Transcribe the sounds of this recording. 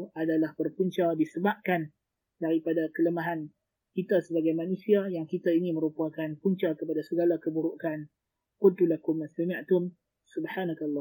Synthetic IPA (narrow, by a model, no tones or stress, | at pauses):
adalahbərpuɲt͡ʃadisəbap̚kan | daɾipadakələmaɦan | kit̪asəbaɡajmanũsiajaŋkit̪ainĩmə̃ɾupuakanpuɲt͡ʃakəpadasəɡalakəbuɾuʔkan | kʊnt̪ulakʊmasamaʔt̪ʊm | subħanakalːɔ